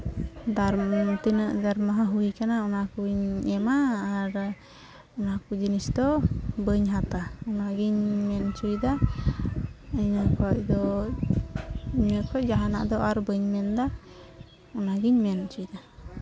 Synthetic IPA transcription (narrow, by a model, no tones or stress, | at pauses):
d̪aɾt̪inəʔd̪aɾmaɦaɦujkanaɔnakuɲɛmaːɾ | ɔnakud͡ʒinisd̪ɔbəɲɦat̪aɔnaɡiɲmɛnt͡ʃujd̪a | əɲəkʰɔʔ̚d̪ɔ | ɲəkʰɔʔd͡ʒaɦana̰ʔd̪ɔʔaɾbəɲmɛnd̪a | ɔnaɡiɲmɛnt͡ʃujd̪a